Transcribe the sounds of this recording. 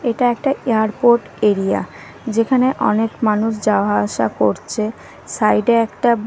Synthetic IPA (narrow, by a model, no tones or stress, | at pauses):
eʈaɛk̚ʈaeaɾpoɾʈ | eɾia̰ | d͡ʑekʰaneʔɔ̰nekmanuʃ̬d͡ʑaaʃa̰koɾt͡ɕʰe | sajɖeɛkʈa